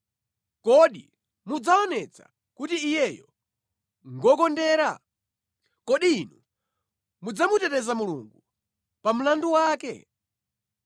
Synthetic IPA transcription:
kɔɗi | mud͡zaɔnɛt͡sʰa̰ | kutiːjɛjɔ | ŋɡɔkɔndɛːɾa | kɔɗiːnu | mud͡zamutɛtɛzamulṵŋɡu | pam̩landuwaːkɛ̰

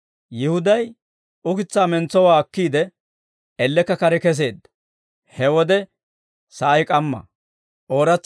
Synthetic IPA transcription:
jɪhʊd̪ɐj | ʊkɪt͡sːaːmɛnt͡sːɔwaːɐkːiːd̪ɛ | ʔɛlːɛkːɐkɐɾɛkɛs̬e̞ːd̪ | hɛwɔd̪ɛ | sɐʔɐjkʼɐmːɐ̰ | ʔo̞ːɾɐt͡sː

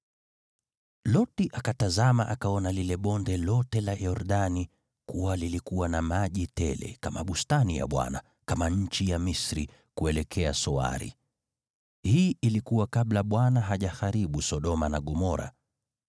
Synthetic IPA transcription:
lɔtiʔakatazamaʔakaɔnalilɛɓɔndɛlɔtɛlajɔɾɗani | kuwalilikuwanamaʄitɛ̰lɛ̰kama̰ɓustanija̰ɓwa̰na̰ | kamaɲ̩t͡ʃijamisɾḭ | kuɛlɛkʰɛasɔa̰ɾḭ | hiːʔilikuwakaɓlaɓwanaɦaʄaxaɾiɓusɔɗɔmanaɠɔmɔɾa̰

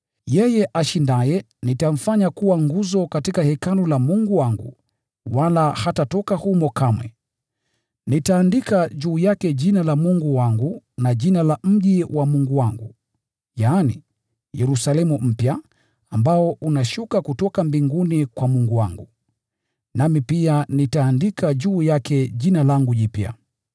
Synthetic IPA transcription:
jɛjɛʔaʃindajɛ | nitam̩faɲakuwaŋɡuzɔkatikahɛkanulamuŋɡuwaŋɡṵ | walahatatɔkahumɔkamwɛ̰ | nitaːndikaʄuːjakɛʄinalamuŋɡuwaŋɡunaʄinalam̩ʄiwamuŋɡuwaŋɡu | jaːnḭ | jɛɾusalɛmum̩pja | ambaɔunaʃukakutɔkambiŋɡunikwamuŋɡuwaŋɡu | namipianitaːndikaʄuːjakɛʄinalaŋɡuʄipja̰

